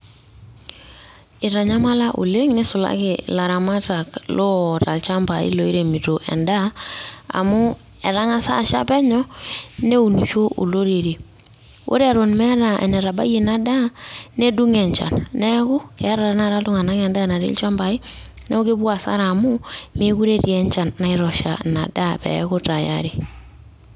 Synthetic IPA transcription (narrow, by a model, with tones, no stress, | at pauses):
ɪ˨ɾa˨ɲa˦ma˦la˦ʔṵ˨le˦ŋnɛ˦sʊ˨la̰˦kɪla˨ɾa˨ma˦ta˨klo˦˨ta˨lt͡ʃa˦mba˨ɪ̰˦lo˨i˦ɾe˨mi˨to˨ʔɛ̰˨nda˦a̰˨mʊ˦ | ɛ˨ɾa˦ŋa˦sa˦˨ʃa̰˦pɛ˦ɲɔ˦ne˦u˨nu˨t͡ʃo˦ʔo̰˨lo˦ɾe˨ɾe˨ | o̰˦ɾe˦a˨ɾo˨nmɛ˦ɾa˨ʔɛ̰˨nɛ˨ɾa˨ba̰˦je˨na˦da˦ne˦du˦ŋɛ˨ɲt͡ʃa̰˨nnɛ˦kʊ˦kɛ˨˦ɾa˨ɾa˦na˦˨ɾa˦tu˦ŋa˨na˦ŋɛ˨nda˦˨na˨ɾḭ˦lt͡ʃa˦mba˨i˦ | nɛ˦o˦ke˦bwa˨sa̰˦ɾa˨mʊ˦mi˦ku˦ɾe˦tjɛ˦ɲt͡ʃa˨nːa˦ɪ˦ɾɔ˨ʃa̰˨na̰˨da˦pɛ̰˨kʊ˦ta˨ja̰ɾi˨